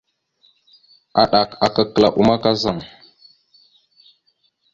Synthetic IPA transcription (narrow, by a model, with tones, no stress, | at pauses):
a˨ɗa˨ka˨ka˦kə˨la̰˨ʔu˨ma˦ka˦za˦˨ŋ